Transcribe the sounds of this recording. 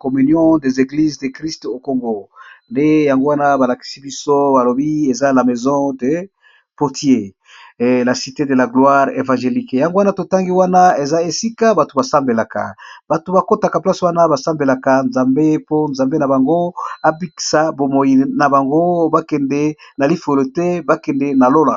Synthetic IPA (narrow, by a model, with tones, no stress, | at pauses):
ko˨my˨njɔ̃˦de˨ze˨ɡli˦zde˨kʁi˦sto˨ko˨ŋɡo˨nde˦ja˨ŋɡo˦wa˦na˦ba˨la˨ki̥˨si˦bi˦so˦ba˨lo˨bi˦e˨za˦la˨mɛ˨zɔ̃˦de˨ | po˨tje˦˨ | la˨si˨te˦de˨la˨ɡlwa˦ʁḛ˨vã˨ʒe˨li˦kja˨ŋɡo˦wa˦na˦to˨ta˦ŋɡi˦wa˦na˦e˨za˦e˨si˦ka˦ba˨to˨ba˨sa˦mbe˨la˨ka̰˨b̥a˨to˨ba˨ko˦ta˨ka˨pla˦swa˦na˦ba˨sa˦mbe˨la˨ka˨nzã˨mbe˦po˦nza˨mbe˦na˨ba˨ŋɡo˦a˦bi˦ki̥˨sa˨bo˨mo˨ji˨na˨ba˨ŋɡo˦ba˦kɛ˨ndɛ˦na˨li˦fo˨lo˨tɛ˦ba˦kɛ˨ndɛ˦na˨lo˦la˨